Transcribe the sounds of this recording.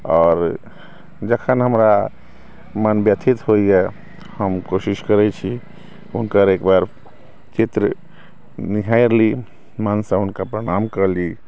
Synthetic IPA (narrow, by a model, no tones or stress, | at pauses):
ɔːɾ | d͡ʒəkʰənɦəmɾa | mənbjət̪ʰit̪ɦoiɛ | həmkosiskəɾɛt͡ʃʰi | unkəɾekbaɾ | t͡ʃit̪ɾə | niɦajɾli | mənsə̃unkapɾəɽ̃amkəɾli